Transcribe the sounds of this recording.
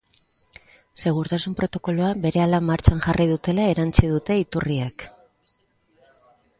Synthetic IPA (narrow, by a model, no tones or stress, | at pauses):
se̞ɣ̞uɾt̪asumpɾo̞t̪o̞ko̞luabe̞ɾe̞alamaɾt͡ʃaŋʝarið̞ut̪e̞lae̞ɾant͡sið̞ut̪e̞it̪uriek